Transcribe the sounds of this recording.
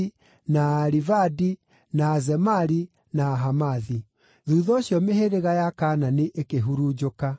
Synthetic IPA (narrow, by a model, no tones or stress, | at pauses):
naːɾivadi | naːzɛmaɾi | naːɦamaði | ðuːðɔɕjɔmeheɾeɣajakaːnaneʔekeɦuɾud͡ʑoka